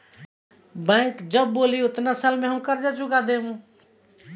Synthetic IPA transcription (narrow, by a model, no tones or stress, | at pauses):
bɛ̃ŋkd͡ʒəbːoliʊt̪nasalmeɦəmkəɾd͡ʒat͡ʃukad̪eɦũ